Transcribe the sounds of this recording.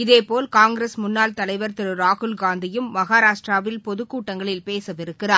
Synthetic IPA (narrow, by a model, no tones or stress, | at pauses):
ɪðeːpoːlkaːŋɡɾesmʊnːaːlt̪ɐlɐɪʋɐɾt̪ɪɾɯɾaːɣʊlɡaːnd̪ɪjɯmːɐɣaːɾaːʂʈraːʋɪlpɔðɯkːuːʈːɐŋɡɐɭɪlpeːsɐʋɪɾɯkːɪraː